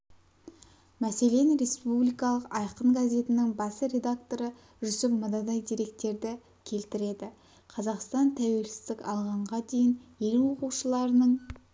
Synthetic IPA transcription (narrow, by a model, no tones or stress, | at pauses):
mæse̞le̞nɾe̞spublijkɑlˠəqɑjqəɴɡazʲe̞t̪ɪnɪŋbɑsəɾe̞d̪ak̚t̪o̞ɾə | ʒʏsɪpmɑd̪ɑd̪ɑjd̪ijɾe̞k̚t̪e̞ɾd̪ɪ | kʲʰe̞lt̪ɪɾe̞d̪ɪ | qʰɑzɑqst̪ɑnt̪ʰæwe̞lsɪ̥zd̪ɪkɑlˠʁɑɴʁɑd̪e̞jɪnje̞lwo̞quwʃəlˠɑɾənəɴ